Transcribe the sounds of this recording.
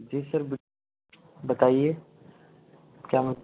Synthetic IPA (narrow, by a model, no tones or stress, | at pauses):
d͡ʒesəɾbɪ | bət̪aːie | kjamə